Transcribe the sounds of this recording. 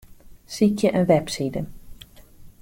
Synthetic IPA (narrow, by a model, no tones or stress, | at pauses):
sikjəʔənʋɛpsidən